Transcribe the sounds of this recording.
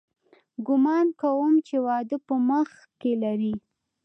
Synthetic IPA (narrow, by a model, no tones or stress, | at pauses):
ɡʊmɑnkawəmt͡ʃewɑd̪əpəməx | kelaɾi